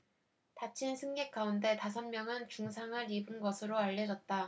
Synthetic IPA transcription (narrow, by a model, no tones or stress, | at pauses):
tat͡ɕʰinsʰɯŋɡe̞k͈aunde̞tas̬ʰʌnmjʌŋɯnt͡ɕuŋsʰaŋɦaɾibɯnɡʌsʰɯɾoaʎːʌd͡ʑʌt̚t͈a